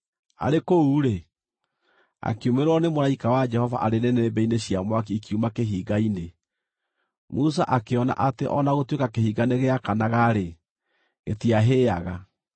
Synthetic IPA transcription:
a̰ɾekouːɾe | a̰kiumeɾwɔnemoɾaikawad͡ʒɛhɔva̰ʔaɾenɛnɛebɛineɕiamwak̬eikiumakeɦiːɡaine | musaʔakeɔna̰ʔateʔɔnaɣotwekakehiːɡaneɣeakanaɣaɾe | ɣetiaɦeːaɣa

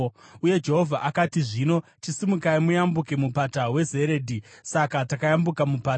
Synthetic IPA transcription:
uje̞d͡ʒe̞ɦo̞vʱaʔakatiʐino̞t͡ʃisimukaimujambuke̞mupatawe̞ze̞ɾedʱisakatakajambukamupaː

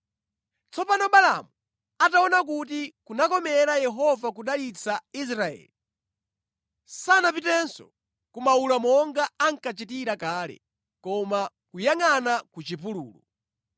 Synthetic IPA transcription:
t͡sɔpanɔɓala̰mu | ataɔnak̬ut̬ikunakɔmɛɾajɛɦɔvakuɗalit͡sʰais̬ɾaɛ̰ːli | sanapitɛnsɔ̰ | kumaulamɔŋɡaaŋ̩kat͡ʃitiɾakaːlɛ̰ | kɔma | kujaŋanakut͡ʃipulṵːlu

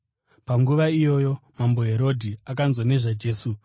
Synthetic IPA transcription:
paŋɡuʋaijo̞jo̞mambo̞ɦe̞ɾo̞dʱiakanzwane̞ʐad͡ʒe̞ːsu

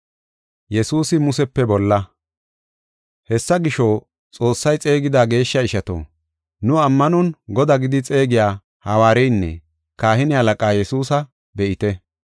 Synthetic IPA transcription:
jɛsuːsɪmʊsɛpːɛbɔlːɐ | hɛsːɐɡɪʃo | t͡sʼo̞ːsːɐjt͡sʼe̞ːɡɪd̪aːɡe̞ːʃːɐɪʃɐt̪o̰ː | nʊɐmːɐnɔnɡɔd̪aɡɪd̪ɪt͡sʼe̞ːɡɪjaː | hɐwaːɾɛjnːɛ̰ | kaːhɪnɪhɐlɐkʼaːjɛsuːsɐ | bɛʔɪt̪ɛ

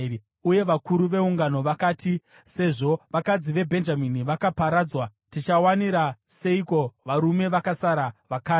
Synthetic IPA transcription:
uje̞ʋakuɾuʋe̞uŋɡano̞ʋakaːti | se̞ʐo̞ʋakad͡ziʋe̞bʱe̞nd͡ʒaminiʋakapaɾaːd͡zwatit͡ʃawaniɾase̞iko̞ʋaɾume̞ʋakasaɾaʋakaː

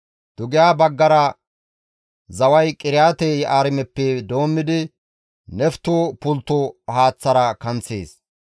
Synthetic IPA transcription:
d̪̥ʊɡɪjaːbɐɡːɐɾɐ | zɐwɐjkʼɪɾɪjaːt̪ɛjaːɾɪmɛpːɛd̪o̞ːmːɪd̪ɪ | nɛft̪uːpʊlt̪ːʊhaːt͡sːɐɾɐkɐnt͡sːḛːs

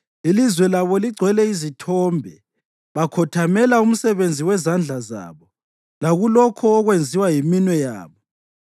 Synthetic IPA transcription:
ilizwɛlaβɔliɡ͡ǀʱwɛlɛizitʰɔːmbʱɛ | βakʰɔtʰamɛlaum̩sɛβend͡zʱiwɛzand͡ɮʱaza̰ːβɔ | laɣulɔkʰɔːɣwend͡zʱiwajiminwɛja̰ːβɔ

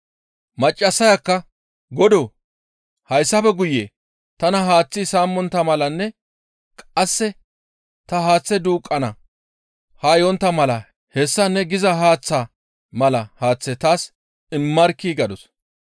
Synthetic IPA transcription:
mɐt͡ʃʼːɐsːɐjɐkːɐ | ɡɔd̪oː | hɐjsːɐpɛɡʊjḛː | t̪ɐnɐɦaːt͡sːisaːmːɔnt̪ːɐmɐlɐnːɛ | kʼɐsːɛ | t̪ɐɦaːt͡sːɛd̪uːkʼːɐnɐ | haːjɔnt̪ːɐmɐlɐ | hɛsːɐnɛɡɪzɐɦaːt͡sːa | mɐlɐhaːt͡sːɛt̪aːs | ɪmːɐɾkːiːɡɐd̪ɔs

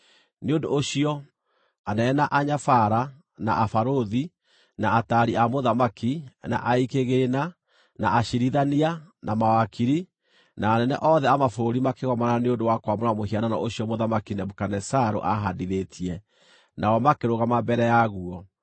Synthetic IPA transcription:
neondoːɕiɔ | anɛnaʔaɲafaɾa | na̰ʔafaɾoði | naataɾiamoðamakina̰ʔaikeɣena | naːɕiɾiðanianamawakiɾi | naːnɛnɛ̰ʔɔðɛamafoɾimakeɣɔmananeondowakwamoɾamohianana̰ʔoɕiɔmoðamakinɛmokanɛsaɾo̰ʔaɦadiɾetʰiɛ | nawɔmakeɾoɣamabɛɾɛjaɣuɔ

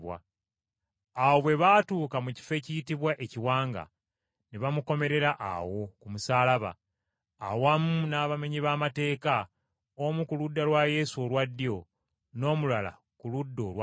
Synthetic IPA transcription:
wa̰ | aːwo̞βwe̞βaːtuːkamuci̥fe̞ːcijitiβwaʔe̞ciwaːŋɡa̰ | neβamuko̞me̞ɾe̞ɾaʔa̰wo̞kumusaːlaβa̰ː | wamunaːβame̞ɲiβaːmate̞ːka | omukuludːalwaje̞suolwadːijo̞ | no̞ːmulala̰ | kuludːo̞ːlwa

